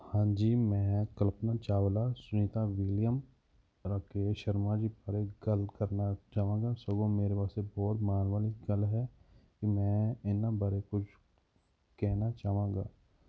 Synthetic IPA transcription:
hãːd͡ʒiːmɛ̃ːkəlpnat͡ʃaːwlasʊnit̪aʋɪljəm | ɾəkeʃəɾmad͡ʒibəɾeɡɐlkɐɾnat͡ʃaːʋãːɡasəɡõmeːɾepaːsebɔːt̪maːnʋaːliɡɐlɦɛkimɛ̃ːɪnːabaɾekʊt͡ʃʰ | kɛɦnat͡ʃaːʋãːɡa̰ː

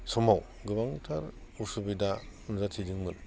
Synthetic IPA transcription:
sɔmaw | ɡɯβaŋtʰaɾusubidanzatʰidɯŋmɯn

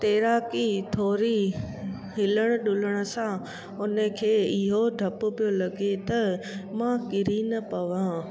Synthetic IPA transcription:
t̪eːɾaːkit̪ʰoːɾi | hɪləɽ̃ʊ̆ɗʊləɽ̃ʊ̆sã | ʊnəkʰeːɪɦoɖʱɐpʊ̆pijolɐɡet̪ɐmãkɪɾinɐpɐʋã

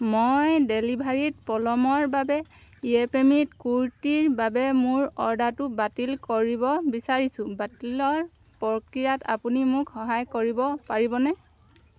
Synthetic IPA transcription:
mojdelibʱaɹit̚pɔlɔmɔɹbabɛ | iepemitkuɹtiɹbabɛmʊɹɔɹdatʊbatilkoɹibɔbisaɹisʊ̃batilɔɹ | pɔkɹijata̰punimʊkhɔɦajkoɹibɔpaɹibɔnɛ

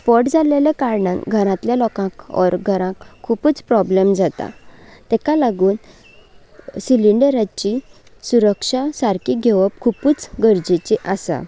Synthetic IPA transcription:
pɔʈd͡zalelekaɾɳãnɡʱəɾãt̪ljalɔkãkɔ̰ɾɡʱəɾãkʰːupuːt͡spɾɔblemd͡zat̪a̰t̪ɛkalaɡuːn | siliɳɖəɾat͡ɕi | suɾəkʂasaɾkiɡʱeʋəp̚kʰupuːt͡sɡəɾd͡ʑit͡ɕiʔasa̰

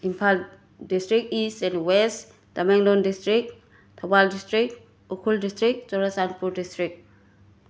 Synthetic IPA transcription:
impʰal | distɾikistɛ̃nwest | damɛŋlɔndistɾik̚ | t̪ʰabaldistɾik | ukʰuldistɾik̚t͡ʃɔɾasanpuɾdistɾik̚

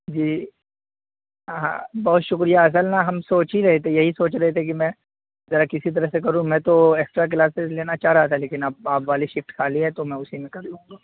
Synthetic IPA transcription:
d͡ʒiː | ɦã̰ːbɔɦt̪ʃʊkɾijaɐs̬əlnaɦɐmsoːt͡ʃiɾɐɦet̪ʰejɐɦisoːt͡ʃɾɐɦet̪ʰeek̬imɛ̃ | zɐɾakɪsit̪̬ɐɾəɦsekɐɾũmɛ̃t̪oeːksʈɾak̬laːsɪzleːnat͡ʃaːɾaːt̪aɦɛleːkɪnap̚aːpʋaːliʃɪfʈkʰaːliɦɛt̪omɛ̃ʊsimẽkɐɾd̪ũːŋɡaː

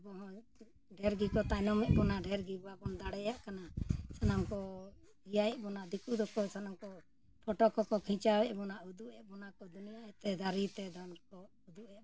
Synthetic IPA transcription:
bɔɦɔ̃ | ɖɛɾɡikɔt̪ajnɔmɛʔbɔnaɖɛɾɡibɔwabɔnd̪aɽɛjaʔkanasanaŋkɔ | ɡijaɛʔbɔnaʔd̪ikud̪ɔkɔsanamkɔ | pʰɔʈɔkɔkɔkʰĩɲt͡ʃawɛʔbɔnaʔud̪uʔɛʔbɔnakɔd̪unijaɛt̪ɛd̪aɾit̪ɛd̪ɔnkɔ | ud̪uʔajaʔ

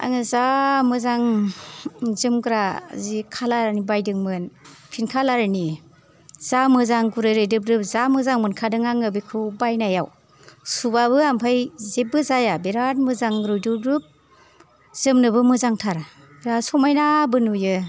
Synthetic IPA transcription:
a̰ŋɯzamɯzaŋ | zɯmɡɾa̰zikʰalaɾanibajdɯŋmɯnpʰinkʰalaɾani | z̥amɯzaŋɡuɾɯjɾɯjdɯp̚ɾɯp̚zamɯzaŋmɯnkʰadɯŋaŋɯbijkʰɯwbajnajaw | subabɯampʰajzep̚bɯzajabeɾat̚mɯzaŋɾɔjdɯb̚ɾɯp̚ | z̥ɯmnɯbɯmɯzaŋtʰaɾ | bɾasɔmajnabɯnujɯ

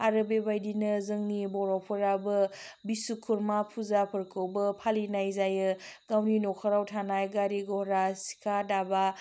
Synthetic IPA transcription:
aɾɯbebajdinɐzɯŋnibɔɾawpʰɯɾabɐbisukʰuɾmapʰuzapʰɯɾkʰɯwbɐpʰalinajzajɯɡawninɔkʰaɾawtʰanajɡaɾiɡɔɾasi̥kʰadaba

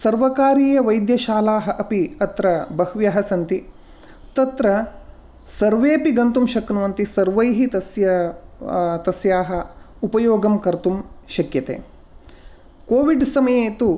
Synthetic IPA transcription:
sɐɾʋɐkaːɾiːjɐʋɐjd̪jɐʃaːlaːɦɐʔɐpiɐt̪ɾɐbɐhʋjɐɦɐsɐnt̪i | t̪ɐt̪ɾɐ | sɐɾʋeːpiɡɐnt̪umʃɐknuʋɐnt̪isɐɾʋɐjɦit̪ɐsjɐ | t̪ɐsjaːɦɐ | upɐjoːɡɐmkɐɾt̪umʃɐkjɐt̪ḛː | koːʋiɖsɐmɐjeːt̪u

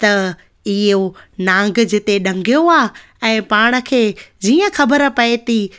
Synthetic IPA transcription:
t̪ɐ | ɪɦonãːŋɡd͡ʑɪt̪eɗɐ̃ŋɡʱijoaː | ɛ̃ːpaːɽ̃ə̆kʰeːd͡ʑiːə̃xɐbəɾpɐet̪iː

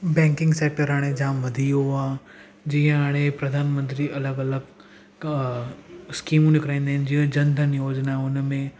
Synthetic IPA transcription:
bɛ̃ːŋkɪ̃ŋɡseːk̚ʈəɾaːɽ̃ed͡ʑãːʋɐd̪ʱijoaː | d͡ʑiːə̃ɦaːɽ̃epɾɐd̪ʱaːnmə̃nt̪ɾiʔɐləɡɐləɡ | skiːmũnɪkɾãːĩːnd̪aːɦɪnɪ̆d͡ʑiə̃d͡ʑɐnd̪ʱənjoːd͡ʑnaʊnmẽ

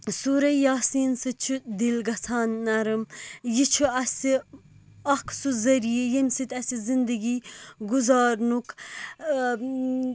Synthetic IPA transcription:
suɾɐjaːsiːnsɨt͡ʃʰud̪ilɡɐt͡sʰaːnːɐɾɨmjit͡ʃʰuɐsi | ɐkʰsuzɐɾijejinsit̪ʲɐsʲizind̪ɐɡiːɡuzaːɾnuk

